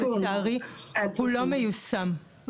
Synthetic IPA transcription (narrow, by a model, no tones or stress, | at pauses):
aʁipulɔmejusam